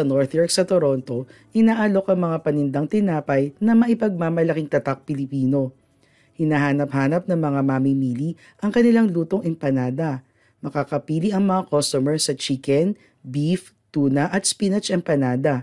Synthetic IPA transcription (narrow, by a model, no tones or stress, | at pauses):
ɐnoɹθjɔɹksɐt̪oɾo̞nt̪o̞ʔɪnaːʔalo̞kɐŋmɐŋapɐnɪnd̪ɐŋt̪ɪnaːpɐjnɐmɐʔɪpɐɡ̚maːmɐlɐkiŋt̪ɐt̪ak̚pɪlɪpiːno̞ | hɪnaɦaːnɐphaːnɐp̚nɐŋmɐŋamamimiːli | ʔɐŋkɐnɪlaŋluːt̪o̞ŋʔɛmpɐnaːd̪ɐ | mɐkakɐpiːliʔɐŋmɐŋakost̪omɛɹsɐt͡ʃikɛn | bif | t̪uːnɐʔɐt̪̚spinɛt͡ʃʔɛmpɐnaːd̪ɐ